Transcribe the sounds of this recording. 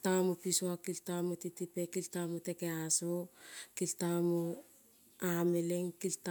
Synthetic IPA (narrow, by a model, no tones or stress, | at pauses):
tamopisoakiltamotitipekiltamotekeasokiltamo | ameleŋkilt